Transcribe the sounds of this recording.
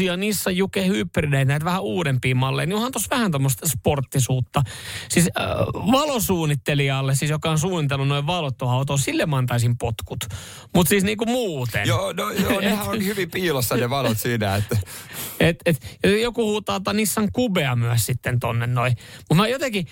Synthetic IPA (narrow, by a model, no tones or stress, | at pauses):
iɑnisːɑjjukehypːrileit̪næˑit̪ʋæhæuːɾempiːmɑlːḛiniohɑnt̪osʋæhænt̪omːost̪sport̪ːisuːt̪ːɑsisʋɑlosuːnːit̪ːeliɑːlːessiːsjokɑonsuːnit̪elːunnoiʋʋɑlot̪ːohɑut̪oːsilːemɑnt̪ɑisimpot̪kut̪ | mut̪siːsniːkumuːt̪ḛnjoːnojjoːehæohyʋimpiːlosːɑneʋɑlot̪siːnæet̪ːet̪et̪jojokuhut̪ːɑt̪ɑnisːɑŋkubeɑmyæssit̪ːent̪onːennoimut̪mæjot̪eŋki